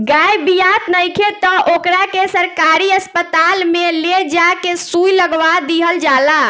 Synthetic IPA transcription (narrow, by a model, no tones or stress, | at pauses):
ɡajbijat̪nəjkʰet̪ɔʔokɾakesəɾkaɾiəspət̪almeled͡ʒakesujləɡʋad̪iɦəld͡ʒala